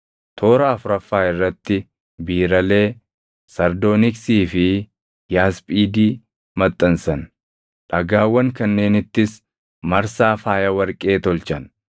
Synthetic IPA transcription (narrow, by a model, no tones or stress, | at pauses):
t̪ʰoːɾaːfʊɾɐfːaːɪrːɐt̪ːɪ | biːɾɐle̞ː | sɐɾd̪o̞ːnɪksiːfɪ | jaːspʼiːd̪iː | mɐt̪ʼːɐnsɐn | ᶑɐɡaːwːɐŋkɐnːe̞ːnɪt̪ːɪs | mɐɾsaːfaːjɐwɐɾkʼe̞ːt̪ɔlt͡ʃɐn